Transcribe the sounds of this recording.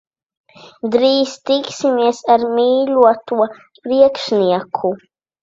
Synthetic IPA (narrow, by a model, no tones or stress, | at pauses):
d̪ɾiːst̪iksimiɛsaɾmiːluɔt̪uɔ | pɾiɛkʃniɛkʰu